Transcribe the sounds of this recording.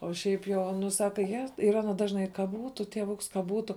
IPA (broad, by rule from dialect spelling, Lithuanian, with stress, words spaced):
oː ˈʃʲɛɪp ˈjoː ˈnʊ ˈsɑːkɐ jɛ iːˈrɐ nʊ ˈdɑːʒnɐɪ kɐ ˈbuːtʊ tʲiɛˈʋʊks kɐ ˈbuːtʊ